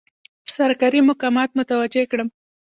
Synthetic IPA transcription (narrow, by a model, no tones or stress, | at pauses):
saɾkaɾimʊkɑmɑt̪̚mʊt̪awad͡ʒekɽəm